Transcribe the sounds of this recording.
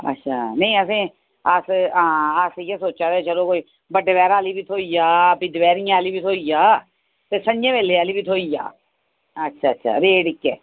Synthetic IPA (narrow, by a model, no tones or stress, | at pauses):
ə̰tːʃʰaːnə̃ĩəsĩː | əsãːəsijɛsoːt͡ʃaːt̪eːt͡ʃəloːkoːiː | bəɖəʋɛːɾaːliːbiːt̪ʰoːiːjaːpiːd̪əʋɛːɾij̃aːliːbiːt̪ʰoːiːjaː | t̪eːsəɲd͡ʒẽːʋeːleːaːliːbiːt̪ʰoːiːja̰ː | ətːʃʰaːətːʃʰa̰ːɾeːɖɪkːɛː